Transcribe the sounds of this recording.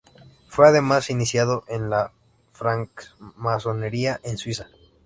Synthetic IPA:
fwe̞aðe̞masinisjað̞o̞ʔe̞nla | fɾaŋkmaso̞ne̞ɾiaʔenswisa

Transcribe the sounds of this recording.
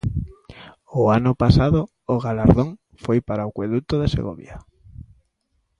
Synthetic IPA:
ʊanʊpasaðoː | ɣalaɾðoŋ | fojpaɾaokweðut̪oðesḛɣo̰βja

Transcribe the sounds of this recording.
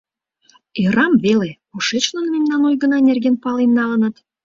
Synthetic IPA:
eɾɑmvele | oʃet͡ɕlənmemnɑnojɣənɑnerɣenpɑlenːɑlənət̪

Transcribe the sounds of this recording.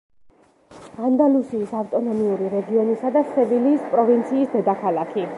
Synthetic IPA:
and̪alusiːsaft̪ʼɔnɔmiuɾiɾɛɡiɔnisad̪asɛviliːspʼɾɔvint̪sʰiːsd̪ɛd̪akʰalˠakʰi

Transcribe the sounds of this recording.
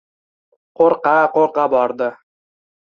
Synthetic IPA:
qoɾqɑqoɾqɑbɒɾd̪ə

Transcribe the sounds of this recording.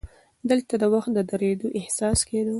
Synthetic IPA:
d̪əlt̪ad̪əwaxt̪̚d̪əd̪əɾed̪oʔɪhsɑsked̪ə

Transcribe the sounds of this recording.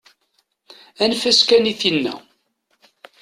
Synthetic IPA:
ænfæskæniθinːæ̰

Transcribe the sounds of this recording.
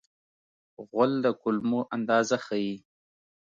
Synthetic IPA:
ɣʊld̪əkʊlmoʔand̪ɑzaxaji

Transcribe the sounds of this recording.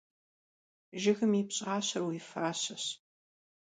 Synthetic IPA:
ʒɪɣɨmipɕʼɑːɕɐrwiːfaːɕɐɕ

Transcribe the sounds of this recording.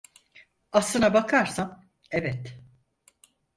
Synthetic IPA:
aslˠɯnabakʰaɾsam | ebɛt̪

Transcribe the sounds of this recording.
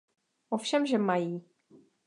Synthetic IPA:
ʔofʃɛmʒɛmajiː

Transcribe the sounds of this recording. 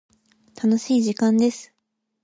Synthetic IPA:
t̪ʰano̞ɕiːʑikãnd̪e̞sɨ̥

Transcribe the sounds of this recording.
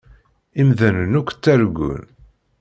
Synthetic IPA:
imðænənukʷːt͡sːæɾɡʷṵn

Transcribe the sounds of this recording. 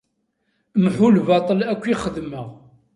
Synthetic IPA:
mħulvɑt̪ˤəlækʷːiχəðməʁ

